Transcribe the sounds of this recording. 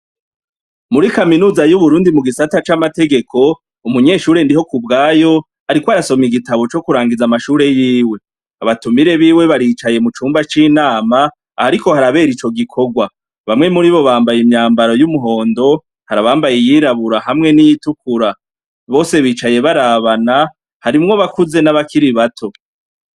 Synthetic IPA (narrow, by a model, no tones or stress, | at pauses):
muɾikaminuːzajuβuɾuːndimuɡisatat͡ʃamate̞ɡe̞kʰo̞ | umuɲe̞ʃuːɾe̞ndiɦo̞kubɡaːjo̞ | aɾikwoaɾaso̞miɡitaβo̞t͡ʃo̞kuɾaːŋɡid͡zamaʃuːɾe̞jiːwe̞ | aβatumiɾe̞βiːwe̞βaɾiːt͡ʃaje̞mut͡ʃuːmbat͡ʃiːnaːma | haɾiko̞haɾaβe̞ːɾit͡ʃo̞ɡikʰo̞ɡwa | βamŋe̞muɾiβo̞βaːmbajimɲaːmbaɾo̞jumuɦo̞ːndo̞ | haɾaβaːmbajejiɾaβuɾaɦamŋe̞nijitukuɾa | βo̞ːse̞βiːt͡ʃaje̞βaɾaβana | haɾimŋo̞βakuze̞naβakʰiɾiβatʰo̞